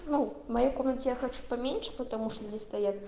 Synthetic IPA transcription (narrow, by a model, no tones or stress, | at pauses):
numajakɔmʲɛnʲt̪ʲijaxat͡ʂu̥pɐmʲenʲʂɐ̥pɐt̪amuʂt̪od͡zʲesʲt̪ajat̪